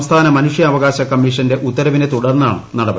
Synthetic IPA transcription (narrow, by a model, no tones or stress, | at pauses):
mst̪ʰaːnɐmɐnuʂjɐːʋɐɣaːɕɐkɐmːiʂɐnde̞ʔut̪ːɐɾɐʋinet̪uɽɐrnːa̰ːɳɨ̰nɐɽɐbɐ